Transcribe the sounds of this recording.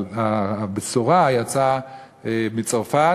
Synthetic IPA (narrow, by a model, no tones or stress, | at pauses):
abesoʁajat͡sa | emit͡saʁfa